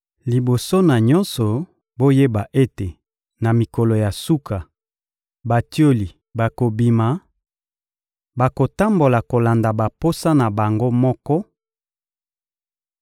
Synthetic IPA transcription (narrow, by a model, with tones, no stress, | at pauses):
li˨bo˨so˦na˨ɲɔ˦nsɔ˨ | bo˦je˦ba˨ʔe˦te˨ | na˨mi˨kɔ˨lo˨ja˨su˦kʰa˨ | ba˨ti˦o˦li˨ | ba˨ko˨bi˨ma˨ | ba˨ko˨ta˦mbo˨la˨ko˨la˨nda˨ba˨po˦sa˦na˨ba˨ŋɡo˦mɔ˦kɔ˦